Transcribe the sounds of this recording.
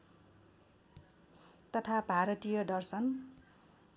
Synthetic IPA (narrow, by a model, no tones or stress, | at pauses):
t̪ʌt̪ʰabʱaɾʌt̪ijʌdʌrsʌn